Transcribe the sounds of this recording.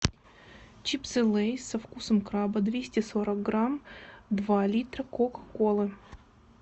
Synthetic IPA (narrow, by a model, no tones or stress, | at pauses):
t͡ɕipsɨlˠejsɐfkusəmkɾabəd̪vʲesʲtʲɪsoɾək̚ɡɾamd̪valʲit̪ɾəkokkolˠɨ